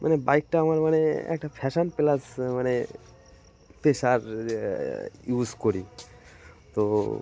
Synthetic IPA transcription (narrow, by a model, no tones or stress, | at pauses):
mʔanebajk̚ʈaamaɾmaneɛ̰k̚ʈapʰɛʃanpelasmane | t̪eʃaɾ | juzkoɾi | t̪o